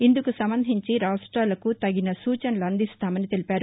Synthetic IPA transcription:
ind̪ukusɐmbɐnd̪ʱiɲt͡ʃiɾaːsʈɾaːlɐkut̪ɐɡinɐsuːt͡ʃɐnɐluɐnd̪ist̪aːmɐnit̪e̞lipaːɾu

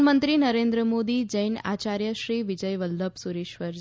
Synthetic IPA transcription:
mənt̪ɾinəɾend̪ɾəmod̪id͡ʑəjna̰t͡ɕaɾjəʃɾiːʋid͡ʑəjʋəlːəbsuɾeʃʋəɾ

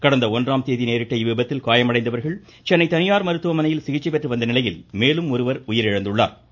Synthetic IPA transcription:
kɐɽɐnd̪ɐɔndraːmt̪eːðineːɾɪʈːɐɪʋɪbɐt̪ːɪlkaːjɐmɐɽɐɪnd̪ɐʋɐɾɣɐɭ | t͡ʃɛnːɐɪt̪ɐnɪjaːɾmɐɾɯt̪ːɯʋɐmɐnɐjɪlsɪɣɪt͡ʃːɐpɛʈrɯʋɐnd̪ɐnɪlɐjɪlmeːlɯmɔɾɯʋɐɾʊjɪɾɛɻɐnd̪ɯɭːa̰ːɾ

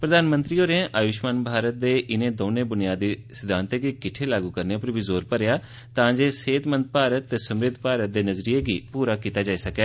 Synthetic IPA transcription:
pɾəd̪aːnmənt̪ɾiːoːɾẽʔaːʋɪʃmaːnbʱaːɾət̪̚d̪eːʔɪnẽːd̪oːnẽːbʊnɪjaːd̪iːsɪd̪ʱãːnt̪eːɡekɪʈʰeːlaːɡuːkəɾneːpəɾbiːzoːɾpəɾejaː | t̪ãːd͡ʒeːseːt̪mə̃nd̪̚paːɾət̪ːeːsəmɾɪd̪ʱpaːɾət̪̚d̪eːnəzɾijeːɡiːpuːɾaːkiːt̪aːd͡ʒaːiːsəkɛː

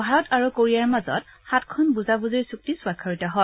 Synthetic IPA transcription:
bʱaɹɔtʰaɹukoɹijaɹmazɔ̰txatkʰɔnbuzabuzeɹsuk̚tisʊwakʰːɔɹitɔɦɔ

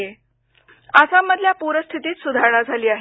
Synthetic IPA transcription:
e | asaməd̪ʱljapuɾəst̪ʰit̪iːt̪sud̪ʱaɾɳad͡zʱaliːaɦ

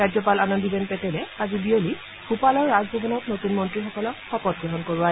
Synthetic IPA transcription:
ɹazɔpalanɔndibɛnpɛtɛlɛazibioli | xupalɔɹːazbʱɔbʱɔnɔtnotunmɔntɹixɔkɔlɔkxɔpɔd̚ɡɹɔɦɔnkoɹua

